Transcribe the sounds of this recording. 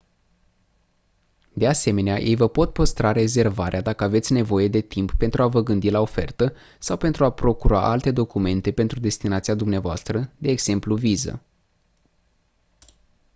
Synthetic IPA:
d̪e̞ase̞me̞neajʔe̞jvəpo̞t̪pəst̪ɾaɾe̞ze̞rvaɾead̪akəave̞t̪sʲne̞vo̞je̞d̪e̞t̪impːe̞nt̪ɾuavəɡɨnd̪ilao̞fe̞̰rt̪ə | sawpe̞nt̪ɾuapɾo̞kuɾoa̰ʔalt̪e̞d̪o̞kume̞nt̪e̞pe̞nt̪ɾud̪e̞st̪inat̪siad̪umneavoa̰st̪ɾəd̪e̞ːɡz̥e̞mpluvizə̰

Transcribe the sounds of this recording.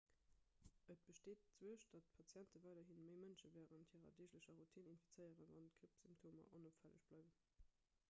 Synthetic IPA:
ʔət̚b̥əʃteːt̚t͡swuəʃd̥ɑtpʰɑt͡sjæntəvɑˑɪdɐɦinməɪmənʃəvæːʁənthiːʁɐ̰deːɕləɕɐʁutʰininfit͡səɪəʁənvɑntkʁipsymptʰoːmɐ̰ʔonopfælə̰ɕb̥lɑɪvən

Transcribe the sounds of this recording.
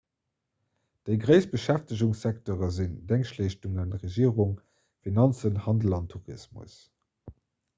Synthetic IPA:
d̥əɪɡʁəɪsb̥əʃæftəʑuŋsæk̚toʁɐzindæŋkʃleʃtuŋənʁeʒiəʁuŋ | finɑnt͡sənhɑndəl̩ɑntʰuʁismṵs

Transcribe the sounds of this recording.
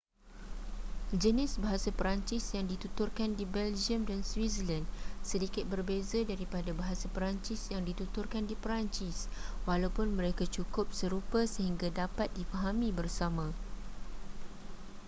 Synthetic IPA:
d͡ʒənɪsbaɦasapəɾaɲt͡ʃɪsjaŋdit̪ut̪ʊrkandibɛld͡ʒiəmdanswizəlandsədikɪt̪̚bərbezadaɾipadabaɦasapəɾaɲt͡ʃɪsjaŋdit̪ut̪ʊrkandipəɾaɲt͡ʃɪswalawpʊnmə̃ɾekat͡ʃukʊp̚səɾupasəɦiŋɡadapat̪̚difaɦamĩbərsamã

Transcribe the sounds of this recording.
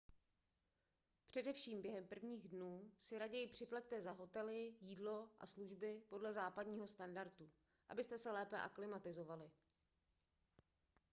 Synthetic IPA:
pr̝̥ɛdɛfʃiːmbjɛɦɛmpr̩vɲiːɣdnuːsɪɾaɟɛjɪpr̝̥ɪplɛct̪ɛzaɦo̞t̪ɛlɪjiːdlo̞ʔa̰sluʒbɪpo̞dlɛzaːpadɲiːɦo̞st̪andaɾt̪u | ʔa̰bɪst̪ɛsɛlɛːpɛʔa̰klɪmat̪ɪzo̞valɪ

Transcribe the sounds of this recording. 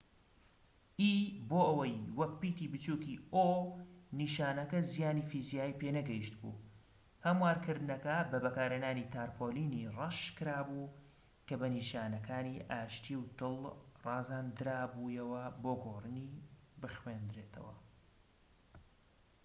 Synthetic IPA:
ʔiːboːʔɐwɐjwɐk̚pːiːt̪iːbɨt͡ʃuːkiːʔoniːʃaːnɐkɐzijaːniːfizijaːjipeːnɐɡɐjiʃt̪bṵ | hɐmwaːɾkɨɾd̪ɨnɐkɐbɐbɐkaːɾenaːniːt̪ʰaːɾpʰoːliːnirɐʃkɨɾaːbu | kɐbɐniːʃaːnɐkʰaːniːʔaːʃt̪iwt̪ɨlˠrɑːzaːnd̪ɨɾaːbuːjɐwɐboːɡoːrɨnibɨxwend̪ɾeːt̪ʰɐ̰wɐ̰

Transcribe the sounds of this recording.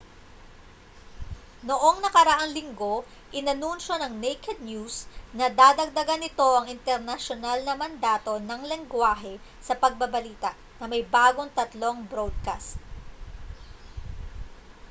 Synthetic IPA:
noʔo̞ŋnɐkɐɾɐʔaŋlɪŋɡo̞ | ʔɪnɐnunʃonɐŋnejkɛd̪̚njusnɐd̪aːd̪ɐɡ̚d̪ɐɡanɪt̪o̞ʔɐŋɪnt̪ɛɾnɐʃonalnɐmɐnd̪aːt̪o̞nɐŋlɛŋɡwaːɦɛsɐpɐɡ̚bɐbɐliːt̪ɐ | nɐmɐjbaːɡo̞ŋt̪ɐt̪lo̞ŋbɾod̪̚ka̰st̪̚

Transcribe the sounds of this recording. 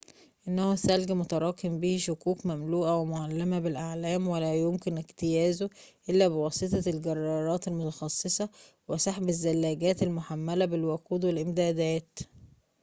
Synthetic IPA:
ʔɪnːhusælɡæmot̪ɑɾˤɑːkembihiʃʊkuːkmæmluːʔæwemoʕalːemæbɪlʔaʕlæːmwelæjomkɪnʔɪɡt̪ɪjæːzoʔelːæbɪwɑːsˤet̪ˤɑlɡɑrˤːɑːɾˤɑːt̪elmot̪ɑxɑsˤːesˤɑ | wesˤɑħbɪzːælːæːɡæːt̪elmoħamːælæbɪlwæquːd̪wɪlʔɪmd̪æːd̪æːt̪

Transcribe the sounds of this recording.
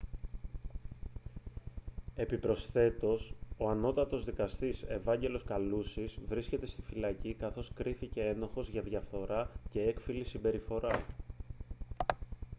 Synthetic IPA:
e̞pipɾo̞sθe̞t̪o̞so̞ɐno̞t̪ɐt̪o̞zðikɐst̪ise̞vɐɲɟe̞lo̞skɐlusizvɾisce̞t̪e̞st̪i̥filɐcikɐθo̞skɾiθice̞eno̞xo̞zʝɐðʝɐfθo̞ɾɐce̞e̞kfilisimbe̞ɾifo̞ɾɐ

